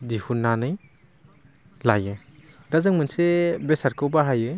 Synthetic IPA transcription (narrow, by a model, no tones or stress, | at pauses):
dihunːanɯj | lajɯ | dazɯŋmɯnsebesaɾkʰɯwbaɦajɯ